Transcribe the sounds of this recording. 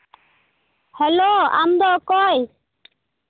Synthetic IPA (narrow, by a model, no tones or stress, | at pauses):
hɛloːa̰md̪ɔːkɔj